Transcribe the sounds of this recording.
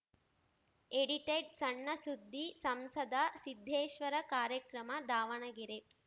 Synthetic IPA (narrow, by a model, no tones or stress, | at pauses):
eɽiʈeɖsɐɳːɐsud̪ʱːisɐmsɐd̪ɐsid̪ʱːeːʃʋɐɾɐkaːɾjɐkɾɐmɐd̪aːʋɐɳɐɡiɾe